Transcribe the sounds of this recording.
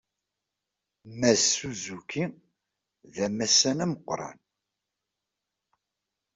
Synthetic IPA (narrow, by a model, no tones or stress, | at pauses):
mæuzuki | ðæmæsːænæməqːɾˤɑ̰n